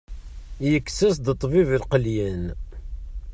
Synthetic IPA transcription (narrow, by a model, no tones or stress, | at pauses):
jəkːsəsd̪ət̪ˤːvivəlqəljən